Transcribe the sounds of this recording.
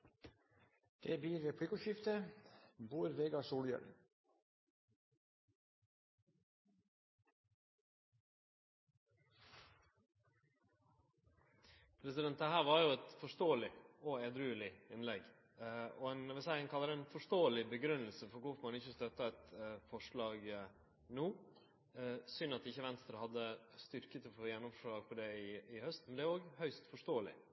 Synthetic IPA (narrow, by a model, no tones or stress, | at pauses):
d̪̥ebiːɾʋeːpʰɽɪkʊʃɪft̪ə | buːɾʋeːɡɑsuːljə̰l | pʰɾɛsɪd̪ɛnt̪əhæːʁʋɑɾjʊɛt̪fɔʂt̪oːəlɪɔed̪ɾʉːlɪɪnlɛɡ | ɔɛnʋɪsæɪɛnkʰɑlːəɾəɛnfɔʂt̪oːəlɪbəɡɾʉnəlsəfɔɾkʊfɔmɑnɪçəst̪œt̪ːɑæt̪fɔʂɭɑːɡ | nuː | sʏnɑt̪ɪçːəʋɛnst̪ɾəhɑd̪ːəst̪ʏɾkət̪ʰɪlfoːjɛnːʊmfɔʂɭɑːɡfɔɖɛɪɪhœst̪mɛnd̪ɛːoːɡhœʏst̪fɔʂt̪oːəlɪ̰